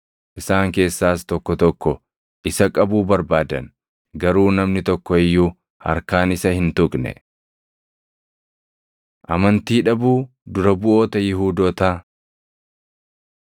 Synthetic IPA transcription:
ʔɪsaːŋke̞ːsːaːst̪ɔkːɔt̪ɔkːɔ | ʔɪsɐkʼɐbuːbɐɾbaːd̪ɐ̰n | ɡɐɾuːnɐmnɪt̪ɔkːɔɪjːuː | hɐ̰ɾkaːnɪsɐhɪnt̪ʊkʼnɛ̰ | ʔɐmɐnt̪iːᶑɐbuː | d̪ʊɾɐbʊʔo̞ːt̪ɐjɪɦuːd̪oːt̪aː

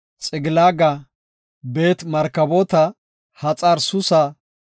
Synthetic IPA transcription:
t͡sʼɪɡɪlaːɡɐ | be̞ːt̪mɐɾkːɐboːt̪ɐ | hɐt͡sʼɐɾsʊsɐ

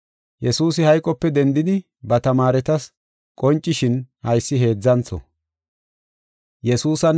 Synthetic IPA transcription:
jɛsuːsɪhɐjkʼːɔpːɛd̪ɛnd̪ɪd̪ɪ | bɐt̪ɐmaːɾɛt̪ɐs | kʼɔnt͡ʃʼːɪʃɪnhɐjsːɪɦe̞ːd͡zːɐnt͡sɔ̰ | jɛsuːsɐn

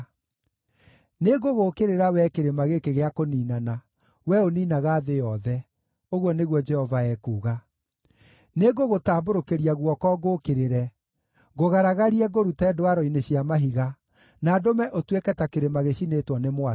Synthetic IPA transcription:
neɡoɣokeɾeɾawɛkeɾemaɣekeɣeakoniːnana | wɛoniːnaɣaːðejɔðɛ | oɣwɔneɣwɔd͡ʒɛhɔvaɛːkuːɣa | neɡoɣotaːboɾokeɾiaɣwɔkɔːɡokeɾeɾɛ | ɡoɣaɾaɣaɾiɛɡoɾutɛːdoaɾɔineɕiamaɦiɣa | naːdomɛʔotwekɛtakeɾemaɣeɕinetwɔnemwa

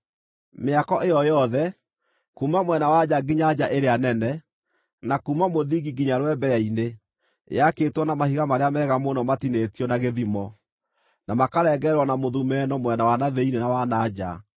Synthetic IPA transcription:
meakɔʔejɔjɔðɛ | kuːmamwɛnawad͡ʑaɡiɲad͡ʑaʔeɾeanɛnɛ | nakuːmamoðiɣiɡiɲaɾwɛbɛjaine | jaketwɔnamahiɣamaɾeamɛɣamonɔmatinetijɔnaɣeðimɔ | namakaɾɛɡɛɾwɔnamoðumɛnɔmwɛnawanaðeinenawanad͡ʒa̰

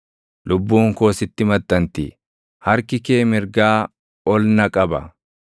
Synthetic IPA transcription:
lʊbːuːŋko̞ːsɪt̪ːɪmɐt̪ːɐnt̪ɪ | hɐɾkɪke̞ːmɪɾɡaː | ɔlnɐkʼɐbɐ̰

